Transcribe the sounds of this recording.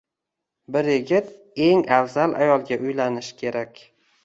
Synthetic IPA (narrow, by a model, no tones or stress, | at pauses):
bɪɾjɪɡʲɪt̪ | e̞ŋavzalʔa̰jɒlˠɡʲaʔʊjlanɪʃkʲʰe̞ɾakʲ